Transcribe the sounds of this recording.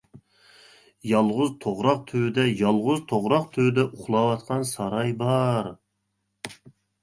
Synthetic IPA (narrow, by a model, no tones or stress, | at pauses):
jɑlˠʁʊzt̪ʰoʁɾɑq̚t̪ʰød̪ɛjɑlˠʁʊzt̪ʰoʁɾɑqt̪ʰød̪ɛʔuχlˠɑwɑt̪qʰɑnsɑɾɑjbɑɾ